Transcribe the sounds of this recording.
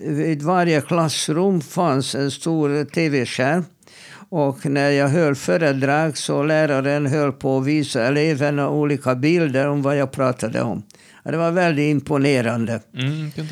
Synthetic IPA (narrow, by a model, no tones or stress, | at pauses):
viːd̪vaɾjəkʰlasːɾɵmːfansɛnst̪uːɾt̪ʰeːveʂæːɾ | ɔknæɾjɑːɡɦœlføːɾəd̪ɾɑːɡsɔlæːɾaɾənɦœlpʰɔviːsaɛlevənɔuːliːkabɪld̪əɾɔmvajɑːɡ̚pʰɾɑːt̪ʰad̪ə̰ɔ̰m | ɔd̪ɛvaɾvɛld̪ɪt̪ɪmpʊneːɾand̪ə